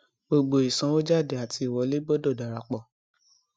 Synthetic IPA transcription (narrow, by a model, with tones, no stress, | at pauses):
ɡ͡bo˨ɡ͡bo˨i˨sã˨˦o˦d͡ʒa˦˨de˨a˨ti˧i˨wɔ˨˦le˦ɡ͡bɔ˦dɔ˦˨da˨ɾa˨k͡pɔ˨